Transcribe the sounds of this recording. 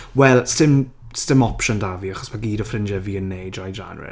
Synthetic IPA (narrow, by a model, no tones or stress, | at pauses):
wɛlˠstɪm | stɪmɔpʃɔndaviːaχɔ̥smaɡiːdɔfrɪnd͡ʒɛviənːejdɹajd͡ʒa̰nɹɪ̰